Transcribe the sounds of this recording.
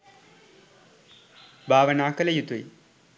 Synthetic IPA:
bʱaːʋɐnaːkɐlɐjut̪uj

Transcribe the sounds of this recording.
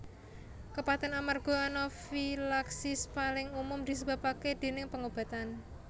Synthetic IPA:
kəpat̪ɛnamarɡ̥ɔ̤anɔfilaksɪspalɪŋumʊmd̪̥i̤səba̤paked̪̥e̤nɪŋpəŋob̥a̤t̪an

